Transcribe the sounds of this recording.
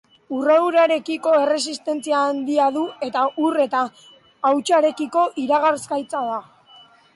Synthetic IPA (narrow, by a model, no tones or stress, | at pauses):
urewɾaɾe̞kiko̞e̞re̞sist̪e̞nt͡siaːnd̪iaðue̞t̪aʔure̞t̪aː | wt͡ʃaɾe̞kiko̞ʔiɾaɣaɾskajt͡saða